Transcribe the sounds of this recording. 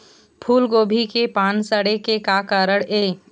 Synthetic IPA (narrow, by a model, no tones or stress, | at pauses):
pʰuːlɡoːbʱikepaːnsəɽekekakəɾəɽeː